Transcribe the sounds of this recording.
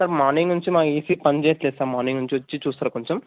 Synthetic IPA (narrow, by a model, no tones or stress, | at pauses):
sɐɾmaːniŋɡnuɲt͡ʃimaːkiːsiːpɐɲd͡ʒeːt̪lɛːsaːmaːniŋnuɲt͡ʃiʋɐt͡ʃːit͡ʃuːst̪aːɾkoɲt͡ʃɐm